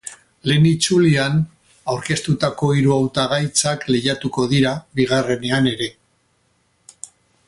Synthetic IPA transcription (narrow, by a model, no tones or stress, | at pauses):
le̞nit͡sulian | awɾke̞st̪ut̪ako̞iɾuawt̪aɣ̞ajt͡sakle̞jat̪uko̞ðiɾaβiɣare̞ne̞ane̞ɾe̞